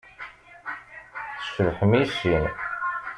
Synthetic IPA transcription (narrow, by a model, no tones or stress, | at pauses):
θə̥ʃəɾħəmiʃːin